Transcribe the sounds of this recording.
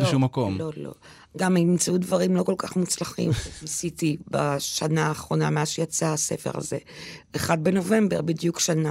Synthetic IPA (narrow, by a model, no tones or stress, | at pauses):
lʃumːako̞mlolo̞̰ | ɡamiimt͡saudvaʁimlo̞ko̞lkaχmut͡slaχḭmnisitibaʃanaːχʁo̞nameazʃejat͡saase̞̰fe̞̰ʁa̰ze̞eχad̚be̞no̞ve̞mbe̞ʁbidjukʃana